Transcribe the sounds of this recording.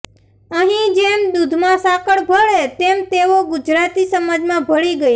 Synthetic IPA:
əɦĩd͡ʒemd̪ud̪ʱmãsakəɭbʱəɭet̪emt̪eʋoɡʊd͡ʒɾat̪isəməd͡ʒmãbʱəɭiɡəj

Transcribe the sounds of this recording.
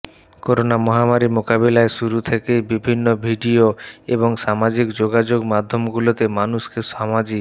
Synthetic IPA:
koɾonamɔɦamaɾimokabelaeʃuɾut̪ʰekejbibʱinːobʱiɖioeboŋʃamad͡ʑikd͡ʑoɡad͡ʑoɡmad̪ʱːomɡulot̪emanuskeʃamad͡ʑi

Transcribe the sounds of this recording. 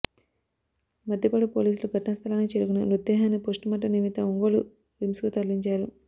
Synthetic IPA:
mɐd̪ʱjɐpɐːɽupoːliːsuluɡʱɐʈɐnɐst̪ʰɐlaːnit͡ʃeːɾuɡunɐnud̪ːɛːɦaːnipoːsʈumɐʈ̬ːɐnimit̪ɐuŋɡoːlu | ɾimskut̪ɐlːiɲt͡ʃaːɾu

